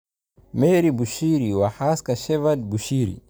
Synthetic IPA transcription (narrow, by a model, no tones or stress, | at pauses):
mɛɾibuʃiɾiwahaskaʃɛvad̚buʃiɾḭ